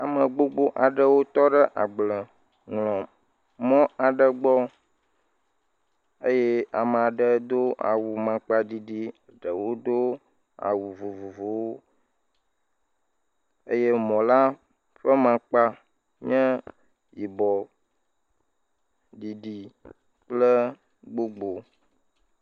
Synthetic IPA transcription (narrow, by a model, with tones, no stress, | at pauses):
a˨mə̃˨ɡ͡bo˦ɡ͡bo˦ʔa˨ɖə˦wo˦t̪ɔ˦ɖə˦ʔa˨ɡ͡blə˨ | ŋlɔ̃˨ | mɔ̃˦a˨ɖə˦ɡ͡bɔ˦ | e˦jɛ˦a˨mə˨a˨ɖə˨d̪o˦ʔa̰˨wu˨mã˨k͡pa˦di˦ɖi˦˨ɖə˨wo˦d̪o˦ | a̰˨wu˨vo˨vo˨vo˨wo˦ | ə̰˦jɛ˦mɔ̃˨la˦ | ɸə˦mã˨k͡pa˦ | ɲɛ̃˦ | ji˨bɔ˨ | di˨ɖi˨ | k͡plə˦ | ɡ͡bo˦ɡ͡bo˨